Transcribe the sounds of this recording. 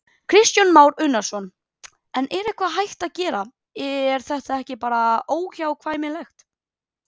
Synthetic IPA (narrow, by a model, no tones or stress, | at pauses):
kʰɾɪst̪janmaːwɾʏnːḁsɔn | ɛnʔɛɾɪkʰvaðɦajht̪aðcɛːɾa | ɛɾ̥θɛht̪aɛhcɪpaːɾaoːwçawkʰvaːjmɪlɛxt̪